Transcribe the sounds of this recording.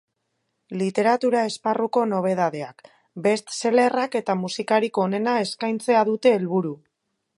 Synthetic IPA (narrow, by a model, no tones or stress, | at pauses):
lit̪e̞ɾat̪uɾae̞sparuko̞no̞β̞e̞ð̞að̞e̞ak | be̞st̪se̞le̞rake̞t̪amusikaɾiko̞ne̞nae̞skajnt͡se̞aðut̪e̞ːlβuɾu